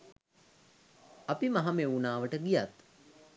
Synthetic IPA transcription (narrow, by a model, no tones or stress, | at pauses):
apimaɦameunaːʋəʈəɡijat̪